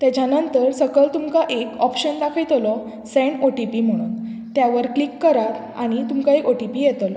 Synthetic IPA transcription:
t̪at͡ɕanənt̪əɾsəɡəɭt̪umkaʔekɔpɕənd̪akʰəjt̪lɔ | sɛɳoʈipim̤əɽ̃unt̪jaʋəɾklikːəɾat̪ | a̰ɽ̃it̪umkaekoʈipijɛt̪l

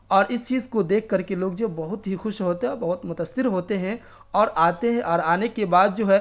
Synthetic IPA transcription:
ɔːɾɪst͡ʃiːzkod̪eːkʰːɐɾkeloːɡ̚d͡ʒoːbɐɦʊt̪ɦixʊʃɦoːt̪eɦɛbɐɦʊt̪mʊt̪əsɪɾɦoːt̪eɦɛ̃ | ɔːɾaːt̪eɦɛ̃ʔɔːɾaːnekebaːd̪̚d͡ʒoːɦɛː

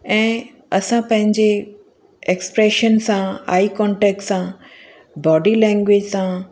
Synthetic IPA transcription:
ɛ̃ː | ɐsãpɐ̃ɦɪ̃ɲd͡ʑe | ekspɾeːʃənsãa̰ːikɔ̃ːɳʈeːk̚ʈsã | bɔːɖilɛ̃ːŋɡʋeːd͡ʑsã

